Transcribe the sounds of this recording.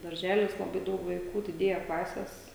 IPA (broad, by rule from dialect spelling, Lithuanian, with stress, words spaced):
dɐrʲˈʒʲæːlʲɪs lˠɐˈbɐɪ ˈdɐʊk ʋɐˈɪkuː dʲɪˈdʲeːjɛ ˈklˠɑːsʲɛs